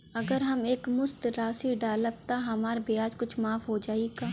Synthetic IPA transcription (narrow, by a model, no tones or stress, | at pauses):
ɐɡəɾɦɐmeːkmʊst̪ɾaːsiɖaːləb̚t̪aɦɐmaːɾbiaːd͡ʒkʊt͡ʃʰmaːfɦod͡ʒaːiɡaː